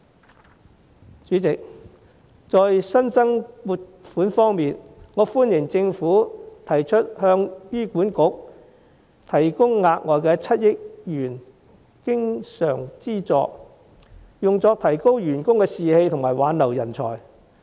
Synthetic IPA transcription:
t͡ʃyː˨˥t͡sɪ˨k̚ | t͡sɔː˧jsɐ˥nt͡sɐ˥ŋmuː˧t̚fuː˨˥nfɔː˥ŋmiː˨nŋɔː˨˧fuː˥njɪ˨˩ŋt͡sɪ˧ŋfuː˨˥t̪ʰɐ˨˩jt͡ʃʰɵ˥t̚hœː˧ŋjyː˥kuː˨˥nkʊ˨˥k̚ | t̪ʰɐ˨˩jkʊ˥ŋːaː˧k̚ŋɔː˨˧jkɛː˧t͡sʰɐ˥t̚jɪ˥k̚jyː˨˩n | kɪ˥ŋsœː˨˩ŋt͡siː˥t͡sɔ̰ː˧k̚ | jʊ˨ŋt͡sɔː˧k̚t̪ʰɐ˨˩jko˥wjyː˨˩nkʊ˥ŋkɛː˧siː˨he˧jt̪ʰʊ˨˩ŋmaː˨˩jwaː˨˧nlɐ˨˩wjɐ˨˩nt͡sʰɔ̰ː˨˩j

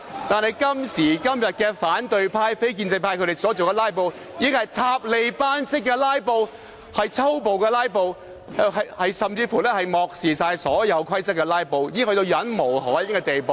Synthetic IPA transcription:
t̪aː˨nhɦɐ˨jkɐ˥msiː˨˩kɐ˥mjɐ˨t̚kɛː˧faː˨˥nt̪ɵ˨˧ɥpʰaː˧jfe˥jk̬i˧nt͡sɐ˧jpʰaː˧jkʰɵ˧ɾe˨˩sɔː˨˥t͡so˨wkɛː˧laː˥jp̬o˨˧w | jiː˨ɪ˥ŋhɐ˨˩jt̪ʰaː˧p̚le˨˧jpaː˥nsɪ˥kːɛː˧laː˥jpo˧w | hɐ˨jt͡sʰɐ˥wpo˨˧wkɛː˧laː˥jp̬o˨w | ɦɐ˨jhɐ˨jsɐ˨mt͡siː˧fu˨˩lɛː˥hɐ˨jmɔː˨k̚siː˨saː˧jsɔː˨˥jɐ˨˧wkʰwɐ˥jt͡sɐ˥kːɛ˧laː˥jpo˨˧wjiː˨˥ŋhɵ˧t̪o˧wjɐ˨˥nmo˨˩whɔː˨˥jɪ˥kɛ˧t̪e˨jpo˨w

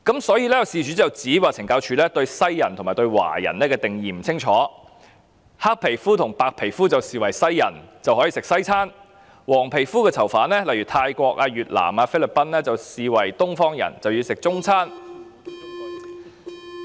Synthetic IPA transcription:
kɐ˨˥msɔː˨˥jiː˧lɛː˥jwsiː˨t͡ʃyː˨˥t͡sɐ˨wt͡siː˨˥waː˨t͡sʰɪ˨˩ŋkaː˧wt͡ʃʰyː˧˥lɛː˥t̪ɵ˧ɥsɐ˥jjɐ˨˩nt̪ʰʊ˨˩maː˨jt̪o˧ɥwa̰ː˨˩jɐ̰˨˩nlɛː˥kɛː˧t̪ɪ˨˩ŋjiː˨m̩˨˩t͡sʰɪ˥ŋt͡ʃʰɔː˨˥ | haː˥k̚pʰe˨˩jfuː˥t̪ʰʊ˨˩ŋpaː˨˧k̚pʰe˨˩jfuː˥t͡sɐ˨wsiː˨wɐ˨˩jsɐ˥jːɐ̰˨˩nt͡sɐ˨whɔ˨˥jiː˨˧sɪ˨k̚sɐ˥jt͡sʰaː˥n | wɔː˨˩ŋpʰe˨˩jfuː˥kɛː˧t͡sʰɐ˨˩wfaː˨˥nlɛː˥lɐ˨jɥyː˨˩t̪ʰaː˧jkʷɔː˧k̚aː˧ɥyː˨t̚la̰ː˨˩maː˧fe˥jlɪ˨pːɐ˥nlɛː˥t͡sɐ˨wsiː˨wɐ˨˩jt̪ʊ˥ŋfɔː˥ŋjɐ̰˨˩nt͡sɐ˨wjiː˧sɪ˨k̚t͡sʊ˥ŋt͡sʰaː˥n

